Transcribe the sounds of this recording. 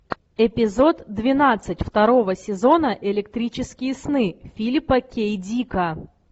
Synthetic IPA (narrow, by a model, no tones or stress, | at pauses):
ɪpʲɪzo̞t̪d̪vʲɪnat̪sɨtʲft̪ɐɾo̞vəsʲɪzo̞nəʔɪlʲɪk̚t̪ɾʲit͡ɕɪskʲɪjəsnɨfʲilʲpəkʲejdʲikə